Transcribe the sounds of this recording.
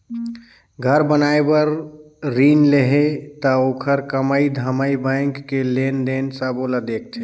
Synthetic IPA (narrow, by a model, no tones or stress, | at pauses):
ɡʱəɾbənaebəɾ | ɾiːnleɦet̪əoːkʰəɾkəməid̪ʱəməibə̃ŋkːelend̪ensabolad̪eːk̚ʰt̪ʰe